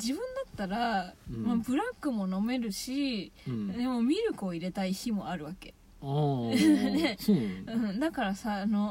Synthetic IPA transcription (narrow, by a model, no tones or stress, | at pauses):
d͡ʑibɯ̟̃nd̪at̪ːaɾamabɯ̟ɾakːɯ̟mo̞no̞me̞ɾɯ̟ɕi | d̪emo̞mʲiɾɯ̟ko̞ːiɾe̞t̪aiçimo̞̰aɾɯ̟βake̞ | neɯ̟̃ɴd̪akaɾasaːno̞